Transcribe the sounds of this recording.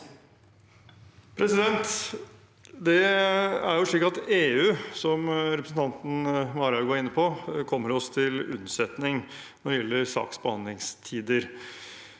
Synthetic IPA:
pʰɾɛsɪd̪ɛnt̪ | d̪ɛæɾjʊʂɭiːkɑt̪eːʉːsɔmɾɛpɾəsn̩t̪ʰɑnt̪n̩ʋɑːɾɑɡoːɾɪnːəpʰɔkʰɔmːəɾɔst̪ʰɪlʉ̰nsɛt̪nɪŋ | nɔdjɛlːəɾsɑ̰ːksbəhɑnd̪lɪŋst̪ʰiːd̪əɾ

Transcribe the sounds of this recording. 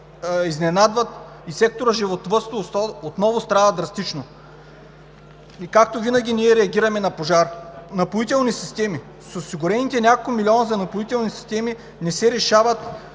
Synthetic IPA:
iznɛnad̪vɐt̪ | isɛk̚t̪oɾəʒivot̪vɤst̪oot̪nɔvʊst̪ɾavɐd̪ɾɐst̪it͡ʃno | ikakt̪ovinɐɡʲiniɛɾɛɐɡʲiɾɐmɛnɐpoʒaɾnɐpoit̪ɛlˠnisist̪ɛmi | sosiɡʊɾɛnit̪ɛnʲakolkʊmilʲiɔnɐzɐnɐpoit̪ɛlˠnisi̥st̪ɛmi | nɛsɛɾɛʃavət̪

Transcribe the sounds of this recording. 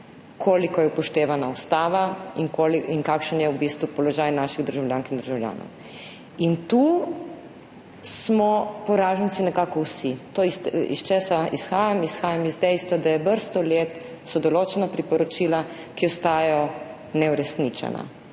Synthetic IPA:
kʰoːlikɔjɛpɔʃt̪eːʋanaust̪aːʋaiŋkoliiŋkakʃənjɛubist̪ʋupɔlɔʒaːjnaːʃiɣd̪əɾʒawljaːŋkind̪əɾʒawlja̰ːnɔ̰w | int̪u | smɔpɔɾaːʒəntsinɛkaːkɔwsit̪oiḭst͡ʃɛsaisxaːjamisxaːjamizd̪ɛjst̪ʋad̪ajɛbəɾst̪ɔleːt̪ | sɔd̪ɔloːt͡ʃɛnapɾipɔɾɔt͡ʃiːla | kiɔst̪aːjɔ | nɛuɾɛsnit͡ʃɛ̰na̰

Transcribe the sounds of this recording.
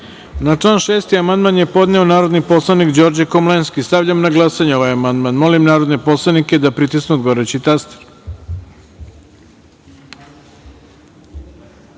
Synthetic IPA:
nat͡ʂlˠaːnʃeːst̪iamand̪manje̞po̞d̪ne̞o̞naːɾo̞d̪nipo̞slˠanikd͡ʑo̞ɾd͡ʑekomlenskist̪aʋʎamnaɡlˠasaɲeo̞ʋajamand̪manmo̞limnaːɾod̪nepo̞slˠaniked̪apɾit̪isnud̪ɡoɾet͡ɕit̪ast̪e̥ɾ

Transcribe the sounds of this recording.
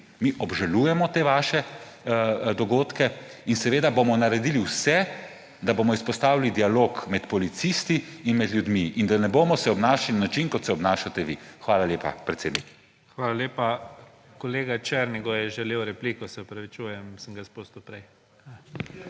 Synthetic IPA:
miʔɔbʒalujɛmɔt̪eːʋaːʃɛ | d̪ɔɡoːt̪kɛinsɛʋeːd̪abomɔnaɾɛd̪iːliwsɛ | d̪aboːmɔispɔst̪aːwilid̪ialoːkmɛt̪pɔlit̪sist̪iːnmɛd̪ljud̪miʔind̪anɛboːmɔsɛɔbnaːʃalinanat͡ʃinkɔt̪sɛɔbnaːʃat̪ɛʋixʋaːlalʲjeːpa̰pɾɛt̪seːd̪nik | xʋaːlaleːpa | kɔleːɡat͡ʃɛɾniɡɔjɛʒɛlewɾɛplikɔsɛɔpɾɐʋit͡ʃujɛmsəŋɡaspost̪upɾɛj

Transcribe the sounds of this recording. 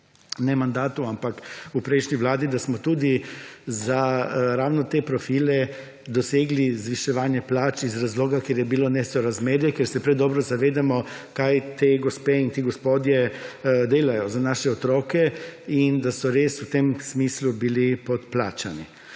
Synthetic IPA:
nɛmand̪aːt̪uampakupɾɛjʃniʋlaːd̪id̪asmɔt̪uːd̪izaɾaːwnɔt̪epɾɔfiːlɛ | d̪ɔseːɡlizʋiʃɛʋaːnjɛplaːt͡ʃizɾazloːɡakjeːɾjɛbilonɛsɔɾazmeːɾjɛkeɾsɛpɾɛd̪ɔːbɾɔzaʋeːd̪amɔ | kajt̪eɡɔspeint̪eɡɔspoːd̪jɛd̪eːlajɔzanaːʃɛɔt̪ɾɔːkɛind̪asɔɾeːsut̪emsmiːslubilipɔt̪plaːt͡ʃani

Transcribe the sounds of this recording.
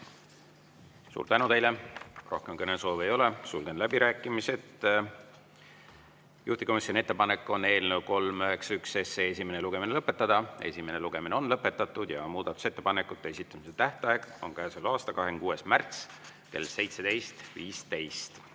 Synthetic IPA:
sṵːrt̪ænut̪e̞jle̞rʔo̞hkemkɤneso̞ːve̞jo̞le̞sulɡ̥e̞nlæb̥iɾæːkːˑimise̞t̪ | jʔuht̪iko̞misʲjo̞nʲie̞t̪ːe̞pɑne̞kːˑo̞nːe̞ːlne̞wko̞lmøɦeksykse̞sees̬ʲime̞neluɡ̥e̞minelɤpːˑe̞t̪ːˑɑd̪̥ɑe̞̰sʲime̞ne̞luɡ̥e̞mineo̞nlɤpːˑe̞t̪ːˑɑt̪ːˑud̪̥jɑmuːd̪̥ɑt̪ːˑu̥se̞t̪ːepɑne̞kːˑut̪ːˑeesit̪ːˑɑmiset̪æht̪ˑɑɑeɡ̥o̞nkæːsolɑːst̪ɑkɑɦenkuːe̞smært̪s | ke̞̰lse̞jt̪se̞d̪e̞jst̪viːst̪e̞jst̪

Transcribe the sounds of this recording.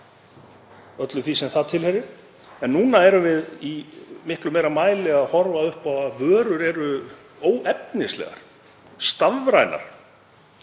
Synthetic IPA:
œt̪lʏθisɛmθaðt̪ʰɪlhɛɾɪɾ̥ | ɛnːuːnaɛɾʏmvɪðimɪhklʏmejɾalmaːjlɛɣaðhɔɾvaʏhpaavœːɾʏɾɛɾʏ | oːwʔɛp̚nɪslɛ̰ɣa̰ɾ̥ | st̪avvɾajna̰ɾ̥

